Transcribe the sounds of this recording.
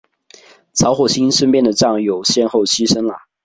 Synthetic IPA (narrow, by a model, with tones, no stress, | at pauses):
t͡sʰɑ˧˥ʊxwɔ˨˩ɕi˥nʂə˥npjɛ˥˧˩nd̪ə˨˩ʈ͡ʂɑ˥˩ŋjo˨˩ʊɕjɛ˥˧nxo˥˨ʊɕi˥ʂə˥nlə˨